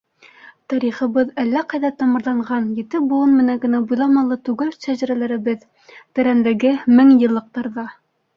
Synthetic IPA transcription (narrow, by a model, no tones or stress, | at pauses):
t̪ɑɾiχɤ̆βɤðælːæqɑjðɑt̪ɑmɤ̆ɾlˠɑɴɢɑnjɘ̆t̪ɘbulˠɤnmɘ̆næŋɡɘ̆næbujlˠɑmɑlˠɤt̪ʉɡælʃæʒæɾælæɾɘ̆bɘð | t̪ɘ̆ɾænd̪ɘɡɘmɘŋjɤ̆lˠːɤ̆q̚t̪ɑɾðɑ